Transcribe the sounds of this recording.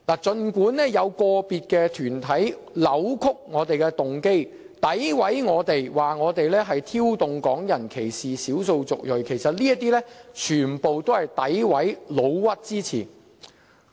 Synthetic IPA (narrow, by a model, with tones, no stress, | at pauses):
laː˨˩t͡sɵ˧nkuː˨˥nːɛː˥jɐ˨˧wkɔː˧piː˨t̚kɛː˧t̪ʰyː˨˩nt̪ʰɐ˨˥j | lɐ˨˥wkʰʊ˥k̚ŋɔː˨˧t̪e˨jkɛː˧t̪ʊ˨ŋke˥j | t̪ɐ˨˥jwɐ˨˥jŋɔː˨˧t̪e˨jwaː˨˩ŋɔː˨˧t̪e˨jlɛː˥ɦɐ˨jt̪ʰiː˥wt̪ʊ˨ŋkɔː˨˥ŋjɐ˨˩nkʰe˨˩jsiː˨siː˨˥wso˧wt͡sʊ˨k̚jɵ˨˩ɥkʰe˨˩jsɐ˨t̚liː˥jɐ˥t̚t̪iː˥lɛː˥t͡ʃʰyː˨˩npo˨wt̪o˥whɐ˨jt̪ɐ˨˥jwɐ˨˥jlo˨˧wwɐ˥t̚t͡siː˥t͡sʰḭː˨˩n